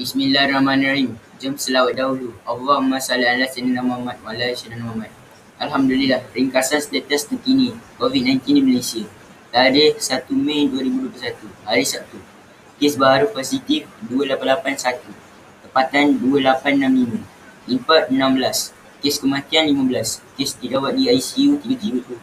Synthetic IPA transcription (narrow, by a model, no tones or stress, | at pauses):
bismĩlahramãnaɾim | d͡ʒəmsəlawaʔ̚dauluavamasalaanlasɛnənamamat̪̚malaisananamamat̪̚ | alɦamdulilahɾiŋkasanslet̪əst̪ənk̪inĩkovid̪̚nãj̃nt̪indiməlesiə | t̪aɾihsat̪umãjduəɾibuduəp̬lusat̪uhaɾisap̚t̪u | kesbaɦaɾuposit̪ifduəlapanlapansat̪u | t̪əmpat̪anduəlapannãmlimũ | limpat̪̚ənãmbəlas | keskəmãk̪ianlimãbəlaskesd̪idawat̪̚diajsiut̪iət̪iɾut̪u